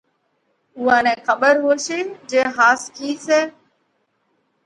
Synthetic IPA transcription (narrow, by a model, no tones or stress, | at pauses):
uːãːnẽːxəɓəɾɦoːʃeːd͡ʒeːɦaːskiːseː